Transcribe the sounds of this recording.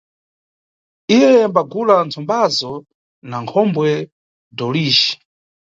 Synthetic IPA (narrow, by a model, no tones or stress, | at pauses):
ijɛmbaɡulant͡sʰɔmbazɔ | naŋkʰɔmbwɛ | dɔliːʃi̥